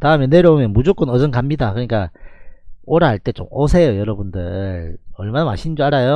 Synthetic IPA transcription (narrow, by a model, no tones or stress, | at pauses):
taɯmjene̞ɾjʌomjʌnmud͡ʑok͈ɯnʌd͡ʑʌnkamɲidakɯɲik͈a̰ | oɾɦaɭt͈e̞t͡ɕo̰mosʰe̞jojʌɾʌbundɯ̰ɭʌɭmanama̰ɕʰind͡ʑoaɾajo